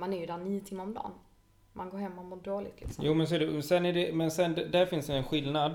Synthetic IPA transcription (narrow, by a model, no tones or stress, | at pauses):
manæɾjɵd̪aniːʊt̪ʰɪmːaɾɔmd̪ɑ̰ːn | mʔanɡoːɾhɛmːɔmʊd̪ɾoːlɪ̰t̪lɪ̰ksɔjuːmɛns̬ɔæɖɛsɛnæɖɛmɛnsɛnd̪ɛd̪æɾfɪnsd̪ɛɛnɧɪlnad̪